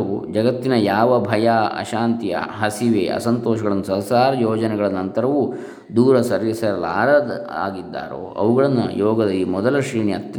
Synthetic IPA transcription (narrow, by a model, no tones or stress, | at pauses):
ud͡ʒɐɡɐt̪ːinɐjaːʋɐbʱɐjaːɐ̰ʃaːnt̪ijɐ̰ɦɐsiʋḛːʔɐ̰sɐnt̪ɔːʃɐɡɐɭɐnːusɐsaːɾɐjoːd͡ʒɐnɛɡɐɭɐnɐnt̪ɐɾɐʋu | d̪uːɾɐsɐɾʋisɐɾɐla̰ːɾɐd̪a̰ːɡid̪ːa̰ːɾo̰ːʔɐ̰ʋuɡɐɭɐnːujɔːɡɐd̪ɐimɔd̪ɐlɐʃiːɳiɐt̪ː